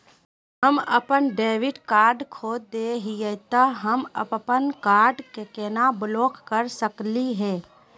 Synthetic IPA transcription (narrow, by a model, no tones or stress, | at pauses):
ɦəmə̰pənɖeːʋɪʈkaːɾɖkʰoːd̪d̪eːɦijət̪aɦəmə̰ppənkaːɾɖkekenabloːkːəɾsəkliɦɛ̃ː